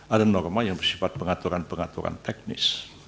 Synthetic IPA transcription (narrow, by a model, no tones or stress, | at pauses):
ʔadənɔrmajaŋbərsifat̪̚pəŋat̪uɾanpəŋat̪uɾa̰nt̪ɛk̚nɪ̰s